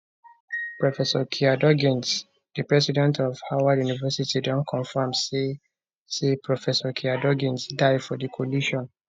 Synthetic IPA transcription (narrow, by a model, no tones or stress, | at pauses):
pɹɔfɛsɔkʰiadɔɡĩns | dɨpɹɛsidɛ̃ntʰɔv̥hawadjunivɛsitidɔ̃nkʰɔ̃nfamse | sepɹɔfɛsɔkʰiadɔɡĩnsdaɪfɔdikʰoliʃɔ̃n